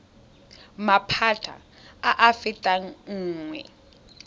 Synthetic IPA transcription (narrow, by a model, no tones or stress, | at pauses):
mapʰatʰa̰ | aʔafɪtʼaŋ̩ːŋwɛ̰